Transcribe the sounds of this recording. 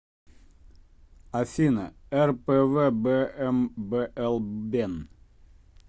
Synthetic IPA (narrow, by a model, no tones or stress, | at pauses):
afinə̰æɾpeːveːbeːʔɛmbeːʔɛlbeːn